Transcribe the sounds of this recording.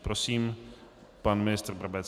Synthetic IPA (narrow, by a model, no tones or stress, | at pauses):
pɾosiːm | panmɪnɪst̪r̩bɾabɛt͡s